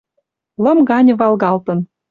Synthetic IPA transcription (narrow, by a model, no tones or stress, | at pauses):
lɤ̆mɣɑnʲə̆βɑlɣɑlt̪ɤ̆n